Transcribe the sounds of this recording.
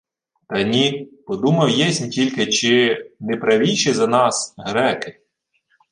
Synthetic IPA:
t̪ɐnʲipɔd̪umɐwjɛsʲnʲtʲilʲkɪt͡ʃɪnɛpɾɐʋʲijʃɪzɐnɑsɦɾɛkɪ̥

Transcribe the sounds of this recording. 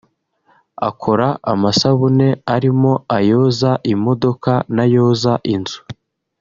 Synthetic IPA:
a̰kʰo̞ɾaamasaβune̞aɾimo̞ajoːzaʔimo̞do̞kanajo̞ːzaʔinzu̥

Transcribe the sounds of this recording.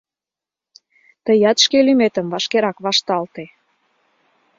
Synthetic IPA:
t̪əjɑt̪ʃkelymet̪ə̆mvɑʃkeɾɑkβɑʃt̪ɑlt̪e

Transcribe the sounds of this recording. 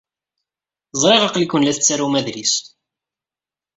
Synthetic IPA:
zˤɾˤeʁɑqlikːənlæθət͡sːaɾumæðlis

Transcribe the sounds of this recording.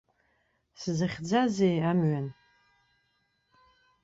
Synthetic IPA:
sɨzɨχʲd͡zazejamɥan

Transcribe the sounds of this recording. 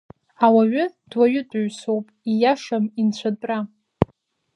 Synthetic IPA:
awaɥʊd̥waɥʊtʼɥsowpʼijaʂamint͡ɕʷʰatʼra

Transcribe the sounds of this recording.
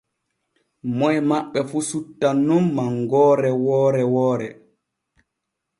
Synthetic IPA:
mɔjmaɓːɛfusutːanːumːaŋɡɔːɾɛwɔːɾɛwɔːɾɛ

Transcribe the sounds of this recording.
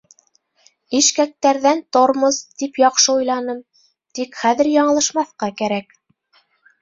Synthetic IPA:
iʃkæk̚t̪æɾðænt̪oɾmɤzt̪ipjɑqʃɤujlˠɑnɤm | t̪ikχæðɘɾjɑɴɤ̆lˠɤ̆ʃmɑθqɑkæɾæk

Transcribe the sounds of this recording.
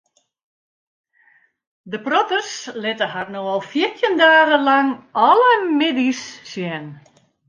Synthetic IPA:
dəprɔtərslɪtəɦarnoɔlˠfjirtʰjəndaːɣəlaŋɔləmɪdissjɛn

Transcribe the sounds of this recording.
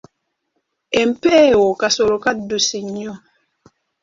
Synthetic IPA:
ɛm̩pɛːwokasolokadosiɲɔ

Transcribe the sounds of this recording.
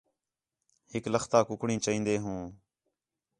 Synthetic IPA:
hɪkləxt̪aːkʊkɽĩːt͡ʃəĩːnd̪eːɦũː

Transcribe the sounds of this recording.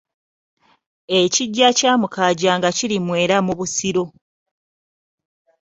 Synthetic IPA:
eciɟːacaːmukaɟaːŋɡacilimwe̞ːɾamuβusiɾo̞

